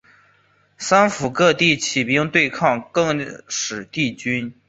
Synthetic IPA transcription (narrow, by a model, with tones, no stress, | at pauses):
sa˥nfu˨˩kɤ˥˧t̪i˥˩t͡ɕʰi˨˩pi˥˩ʊ˥ŋt̪we˥˧ɪkʰɑ˥˧ŋkɤ˥˩ŋʂɻ̩˨˩t̪i˥˩t͡ɕy˥n